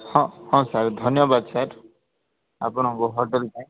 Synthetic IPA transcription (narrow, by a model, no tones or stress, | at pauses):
hɔ̃hɔ̃saɾd̪ʱɔnjɔbad̪saɾ | a̰pɔñɔ̃ɡɔɦɔʈelka